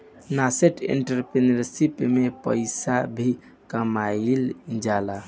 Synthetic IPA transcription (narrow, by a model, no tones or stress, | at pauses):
naseʈḭɳʈəɾpɾenəɾsipmepə̰ɪsabʱi | kəmaild͡ʒala